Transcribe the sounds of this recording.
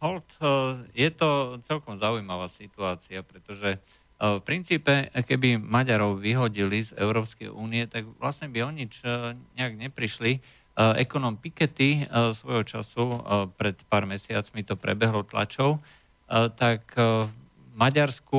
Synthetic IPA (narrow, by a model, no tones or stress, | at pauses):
ɦɔlt̪jɛt̪ɔt͡sɛlkɔmzaujmaʋaːsit̪uaːt͡siapɾɛt̪ɔʒɛ | fpɾint͡siːpɛkɛbimaɟaɾɔʊʋiɦɔɟilizɛ̰ʊɾɔːpskɛ̰jʔuːniɛt̪aɡʋlasɲɛbiɔɲit͡ʃɲɛaɡɲɛpɾiʃli | ɛ̰kɔnɔmpikɛt̪isʋɔjɦɔt͡ʃa̰supɾɛt̪paːɾmɛsɪat͡smit̪ɔpɾɛ̰bɛɦlɔt̪la̰t͡ʃɔʊ | t̪ak | maɟaɾsku